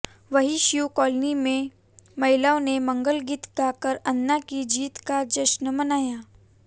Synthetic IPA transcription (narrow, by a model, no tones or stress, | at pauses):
ʋɐɦiʃjukɔːlnimẽ | mɐɦɪlaːonemɐ̃ŋɡəlɡit̪k̪aːkəɾɐnːakid͡ʒiːt̪kad͡ʒɐʃnəmɐnaːjaː